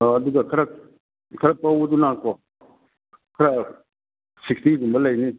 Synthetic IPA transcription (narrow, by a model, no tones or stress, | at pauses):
d̪uɡakʰaɾak | kʰaɾapawud̪unako | kʰɾa | sʰikt̪id̪umbalaini